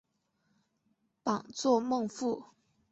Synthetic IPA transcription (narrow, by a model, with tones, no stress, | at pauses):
pɑ˨˩ŋt͡swɔ˥˩˧mɤ˥˧ŋfu˥˩